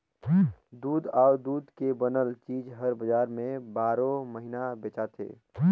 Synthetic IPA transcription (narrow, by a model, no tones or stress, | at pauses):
d̪uːd̪aːd̪uːd̪kebənəlt͡ʃiːd͡ʒɦəɾbəd͡ʒaːɾmẽbaːɾõməɦinabeːt͡ʃat̪ʰḛː